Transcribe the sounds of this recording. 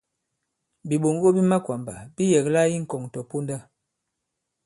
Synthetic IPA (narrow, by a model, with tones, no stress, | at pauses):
bi˨ɓo˨ŋ˦ɡo˦bi˦ma˦kwa˨mba˨bi˦jɛ˨kla˦i˦ŋ̩˨kɔ˨ŋ˨tɔ˨po˦nda˦